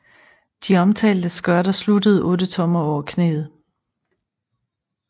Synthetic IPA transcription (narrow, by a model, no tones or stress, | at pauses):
d̥iɒ̽mt͡sʰɛ̰ːld̥əsɡ̥ɶɐɾ̥ɐslud̥əð̞̩ˠʔɔ̽ːd̥ət͡sʰɒ̽mɐɒʊɐkʰne̝̰ːð̩ˠ